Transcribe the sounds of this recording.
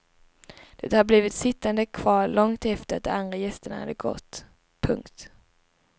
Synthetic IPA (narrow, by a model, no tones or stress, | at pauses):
d̪̥ɛt̪ːəhaɾbliːvɪt̪sɪt̪ːand̪əkʰvɑːɾɭɔŋt̪ɛft̪əɾa̰t̪̚d̪ɔmand̪ɾajɛst̪əɳa̰ha̰d̪ːəɡɔ̰t̪ː | pʰɵŋkt̪